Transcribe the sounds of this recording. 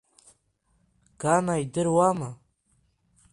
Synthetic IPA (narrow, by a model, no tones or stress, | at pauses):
ɡ̥anaidɨrwama